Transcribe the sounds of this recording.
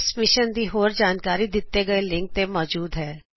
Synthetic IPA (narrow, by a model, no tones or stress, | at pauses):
smɪʃənd̪iɦoːɾd͡ʒaːnkaːɾid̪ɪt̪ːeɡɐelɪ̃ŋk̚t̪ẽmɔːd͡ʒuːd̪ɦɛː